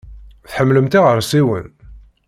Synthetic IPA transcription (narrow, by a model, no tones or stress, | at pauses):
θħəmːləmt̪aʁəɾˤsiwə̰n